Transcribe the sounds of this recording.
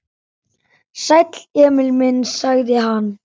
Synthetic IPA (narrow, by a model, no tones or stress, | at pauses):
sajt̪lɛːmɪlmɪnsaɣðɪɦanː